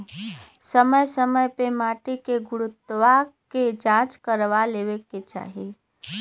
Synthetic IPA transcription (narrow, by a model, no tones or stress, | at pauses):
səməjsəməjpemaːʈikeɡʊɽʊt̪ːʋaked͡ʒãːt͡ʃkəɾʋaleːʋeket͡ʃa̰ːɦie